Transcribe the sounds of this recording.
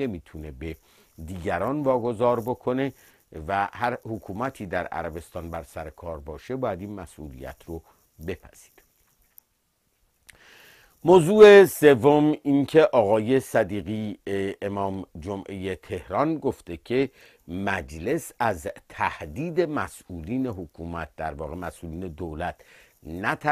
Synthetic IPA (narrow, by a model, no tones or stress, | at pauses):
emiːt̪ʰune̞be | d̪iːɟæɾɒːnvɒːɡo̞zɒːɾbokʰo̞ne̞ | væhæɾhokʰuːmæt̪ʰiːd̪æɾæ̰ɾæbe̞st̪ɒːnbæɾsæɾe̞kʰɒːɾbɒːʃe̞bɒːjæd̪iːnmæsʔṵːlḭjæ̰t̪ʰro | be̞pʰæz̥i̥d̥ | moːzuːesevːomincʰe̞ʔɒːɣɒːje̞sæd̪iːɣiːemɒːmd͡ʒomʔe̞jet̪ʰe̞hɾɒnɡoft̪e̞cʰe̞ | mæd͡ʒle̞sæzt̪ʰæhd̪iːd̪e̞mæsʔuːliːne̞ɦokʰuːmæt̪̚d̪æɾvɒːɣe̞mæsʔuːliːne̞d̪oːlæt̪ʰnæt̪ʰæ